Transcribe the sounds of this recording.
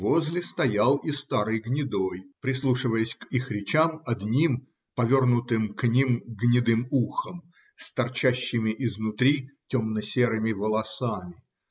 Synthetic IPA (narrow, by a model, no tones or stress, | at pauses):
vo̞zʲlʲɪst̪ɐjalˠist̪aɾɨjɡnʲɪd̪ojpɾʲɪslˠuʂɨvəjəsʲkixɾʲɪt͡ɕamɐd̪nʲim | pɐvʲo̞rnʊt̪ɨmknʲimɡnʲɪd̪ɨmuxəm | st̪ɐrt͡ɕæɕːɪmʲɪʔɪznʊt̪ɾʲitʲomnəsʲeɾɨmʲɪvəlˠɐsamʲɪ